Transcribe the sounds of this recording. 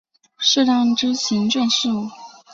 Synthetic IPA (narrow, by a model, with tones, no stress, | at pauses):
ʂɻ̩˥˧ʈ͡ʂɑ˥ŋʈ͡ʂɻ̩˥ɕʰi˧˥nʈ͡ʂə˥˧nʂɻ̩˥˧u˥˩